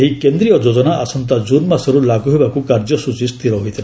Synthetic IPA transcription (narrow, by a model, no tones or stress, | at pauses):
ɦikend̪ɾijɔd͡ʒod͡ʒɔnaʔa̰sɔnt̪̬ad͡ʒunmasɔɾulaɡuɦebakukaɾd͡ʒɔsut͡ʃist̪iɾɔɦojt̪ʰila